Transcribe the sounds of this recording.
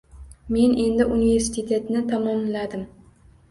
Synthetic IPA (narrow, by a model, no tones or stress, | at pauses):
me̞ne̞nd̪ɪʔunive̞ɾsɪ̥sɪt̪ʰe̞t̪nɪt̪ʰamɒmlad̪ɪm